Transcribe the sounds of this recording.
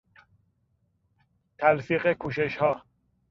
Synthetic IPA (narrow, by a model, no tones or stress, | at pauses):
t̪ʰælfiːɣekʰuːʃeʃhɒː